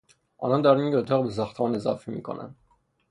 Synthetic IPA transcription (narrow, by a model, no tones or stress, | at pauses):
ʔɒ̰ːnɒnd̪æɾiŋkot̪ʰɒːʁbezɒːxt̪mɒːne̞zɒːfimḭːkʰo̰næ̰nd̪